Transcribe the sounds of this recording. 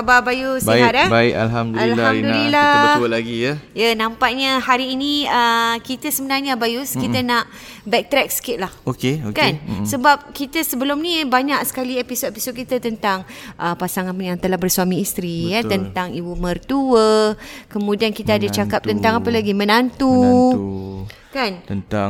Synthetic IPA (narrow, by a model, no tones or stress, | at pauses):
ababajusbəat̪abaɪka̰lɦamdalamdulilaəlaɡijəjanampaʔɲəhaɾiːnĩəkit̪əsəbənarɲabajuskit̪ənaʔ | bɛk̚t̪ɾɛk̚sə̥kɪt̪̚lahokeokansəbap̚kit̪əsəbəlʊmnibaɲaksə̥kaliepisod̪episot̚kit̪at̪ənt̪aŋʔəpasaŋanjaŋt̪əlahbərsuamĩːst̪ɾijat̪ənt̪aŋibumərt̪uəkəmũdiankit̪aadat͡ʃakap̚t̪ənt̪aŋapəlaɡimənant̪u | kanənt̪a